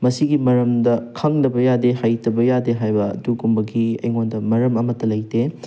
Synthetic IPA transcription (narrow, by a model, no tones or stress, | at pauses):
mɐsiɡimɐɾɐmdɐkʰɐŋnɐbɐjadehajtɐbɐjadeɦajbɐ̰ːduɡumbɐɡiɐ̰jŋondɐmɐɾɐmɐmɐtːɐlɐjte